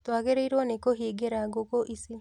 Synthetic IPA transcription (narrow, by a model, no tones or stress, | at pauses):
twaɣeɾeiɾwɔnekoɦiːɡeɾaɡokoʔisi